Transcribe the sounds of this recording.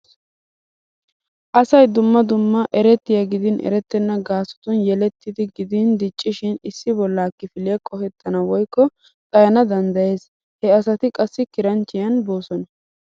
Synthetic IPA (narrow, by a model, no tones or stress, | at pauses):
ʔɐsɐjd̪ʊmːɐd̪ʊmːɐʔɛɾɛt̪ːɪjɐɡɪd̪ɪnʔɛ̰ɾɛt̪ːɛnːɐɡaːsʊ̥t̪ʊnjɛlɛt̪ːɪd̪ɪɡɪd̪ɪnd̪ɪt͡ʃʼːɪʃɪnɪsːɪbɔlːaːkːɪfɪlɪjɐkʼɔhɛt̪ːɐnɐwɔjkːɔ | tʼɐjɐnɐd̪ɐnd̪ɐje̞ːs | hɛɐsɐt̪ɪkʼɐsːɪkɪɾɐnt͡ʃːɪjɐnbo̞ːsɔnɐ